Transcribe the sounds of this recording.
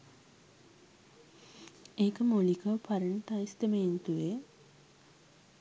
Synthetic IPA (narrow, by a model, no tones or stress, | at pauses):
eːkəmolikəwpʰaɾəɳʈajst̪emeint̪uʋe